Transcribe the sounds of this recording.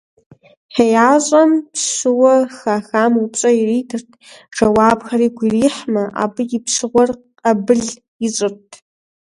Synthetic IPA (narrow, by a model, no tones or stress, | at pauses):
ħejaːɕʼɐmpɕɨwɐxaxaːmupɕʼɐiriːtʰɨrtʰʈ͡ʂɐwaːpxɐriːɡʷiriːħmɐʔa̰ːbɨjɪpʰʂɨʁʷɔr | qʼɐbɨɮ | iɕʼɨrtʰ